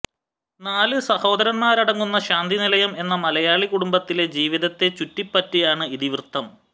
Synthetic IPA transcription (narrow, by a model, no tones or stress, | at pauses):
naːlɨsɐho̞ːd̪ɐɾɐnmaːɾɐɽɐŋːunːɐɕaːnd̪ʱinilɐjɐme̞nːɐmɐlɐjaːɭikuɽumbɐt̪ːile̞d͡ʑiːʋiðɐt̪ːe̞t͡ɕutːipːɐtːijaːɳɨiðiʋrɨt̪ːɐm